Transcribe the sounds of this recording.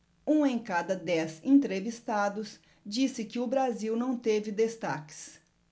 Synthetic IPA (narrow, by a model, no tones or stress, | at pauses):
ũẽj̃kad̪ɐd̪ɛzẽnt̪ɾevist̪ad̪ʊs | d͡ʒisɪkɪʊbɾaziwnɐ̃w̃t̪evɪd̪est̪akɪ̥s